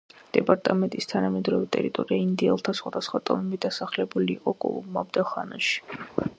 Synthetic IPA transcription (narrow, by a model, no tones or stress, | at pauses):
d̪̥ɛpʼaɾt̪ʼamɛnt̪ʼist̪ʰanamɛd̪ɾɔvit̪ʼɛ̰ɾit̪ʼɔɾiaind̪iɛlˠt̪ʰasχwad̪asχwat̪ʼɔmɛbid̪asaχlɛbuliːqʼɔkʼɔ̰lˠṵbmabd̪aχanaʃi̥